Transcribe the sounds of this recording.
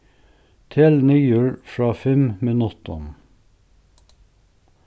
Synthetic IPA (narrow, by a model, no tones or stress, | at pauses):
t̪ʰɪlnyːʉːɹfɹɑːfɛmmɪnʉt̪ɔ̰n